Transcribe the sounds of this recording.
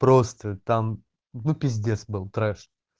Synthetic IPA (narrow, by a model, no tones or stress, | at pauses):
pɾost̪ət̪am | nupʲɪzʲdʲesbɨlˠt̪ɾɛʂ